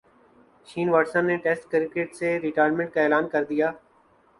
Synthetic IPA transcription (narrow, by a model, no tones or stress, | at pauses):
ʃiːnʋaːʈsənːẽːʈeːsʈkɾɪkeːʈseɾɪʈaːnmẽɳʈ̚kãːeːlaːnkəɾd̪ɪjaː